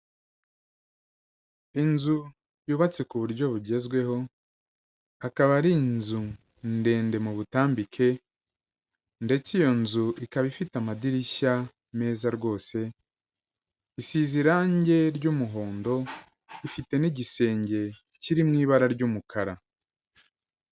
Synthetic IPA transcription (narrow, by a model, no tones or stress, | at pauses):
inzu | juːβat͡sekuβuɾɟo̞βuɟe̞zɡwe̞ho̞ | akaβaɾinzu | nde̞ːnde̞muβutaːmbikʰe̞ | nde̞t͡sijo̞nzuikaβifitamadiɾiça | me̞ːzaɾɡo̞ːse̞ | isiziɾaɲɟe̞ɾɟumuɦo̞ːndo̞ | ifite̞niɟise̞ːɲɟe̞ | ciɾimŋiːβaɾaɾɟuːmukʰaɾa